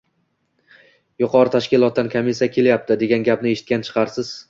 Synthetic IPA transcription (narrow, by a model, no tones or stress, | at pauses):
jʊqʰɒɾɪt̪ʰaʃkʲɪlˠɒt̪̚d̪ankʰamisijakʲʰe̞ljap̚t̪ʰɪd̪e̞ɡʲanɡʲapnɪe̞ʃɪ̥t̪̚kʲant͡ʃʰɨ̥qʰɑɾsɪz̥